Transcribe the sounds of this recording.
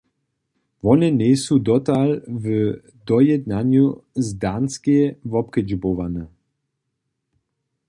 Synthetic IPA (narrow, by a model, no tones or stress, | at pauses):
vɔnɛnʲɛsud̪ɔt̪alv | d̪ɔjɛd̪nanjuzd̪anskejvɔpkɛd͡ʒbovanɛ